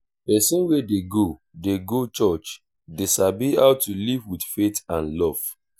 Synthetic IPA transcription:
pɛsɔ̃nwedeɡo | deɡot͡ʃɔt͡ʃ | desabiaʊtulivwiθfetãnlɔv̥

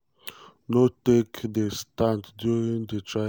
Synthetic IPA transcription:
notekd̪əstãntdjuɹĩŋd̪ətʰɹa

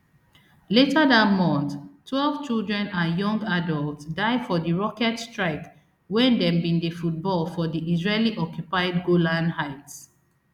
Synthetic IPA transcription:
letʰaðatmɔ̃nθtʰːwɛlv̥t͡ʃilˠdɹɛ̃nãjɔ̃ŋɡadɔlˠtsdaɪfɔdiɹɔkɛtstɹaɪk | wɛ̃ndɛ̃mbĩndəfut̚bɔlfɔdiʔizɹeliʔɔkjupaɪdɡolãnhaɪts

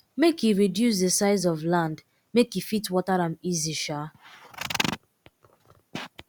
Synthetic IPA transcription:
mekjuɹidjus̬desaɪzɔvlãnd | mekjufitwɔtaɾãmiziʃa

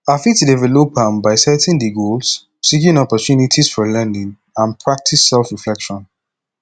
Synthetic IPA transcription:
afitdɛvɛlopãnbaɪsɛtʰɛ̃ndiɡols | sikĩnɔpɔtjunitʰisfɔlɛ̃ndĩŋ | ãnpʰɹak̚tʰisːɛlfɹiflɛkʃɔ̃n

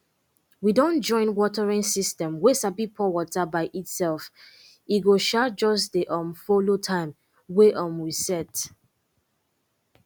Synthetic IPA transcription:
widɔ̃nd͡ʒɔ̃ɪ̃nwɔtɛɹĩŋsistɛ̃mwesabipʰɔwɔtabaɪʔitsɛlf | iɡoʃad͡ʒɔs̬deʔɔ̃mfolotʰãɪm | weʔɔ̃mwisɛt

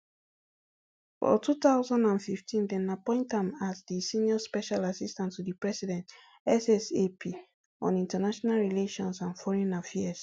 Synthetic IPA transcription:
fɔ̰tʰutaʊzãndãnfiftʰĩndɛ̃napɔ̃ɪ̃ntãmazdisĩniɔspɛʃalasistãntːudipɹɛsidɛ̃nt | ɛsɛsepʰi | ɔ̰̃nĩntənaʃɔnalɹileʃɔ̃nsãnfɔɹɛ̃nafɛs

